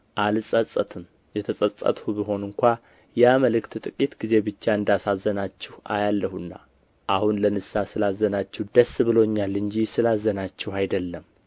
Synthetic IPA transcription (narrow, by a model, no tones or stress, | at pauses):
ʔalsʼəsʼət̪ɨn | jɛt̪ʰəsʼəsʼə̰t̪ʼhubiɦo̞nɨŋkʷa | jaməlɨkt̪t̪ʼɨkʼit̪ɡize̞bɨt͡ʃːaɨnd̪asazːənat͡ʃːɛha̰jalːəhunːa̰ | ʔahunlənɨsasɨlazːənat͡ʃːɛhd̪̥əsːβɨlo̞ɲːalɨɲd͡ʒisɨlazːənat͡ʃːɛhajd̪əlːəm